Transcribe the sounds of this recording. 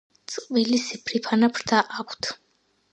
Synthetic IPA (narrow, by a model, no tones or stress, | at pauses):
t̪sʼqʼvilisipʰɾipʰanapʰɾt̪ʰaʔakʷʰt̪ʰ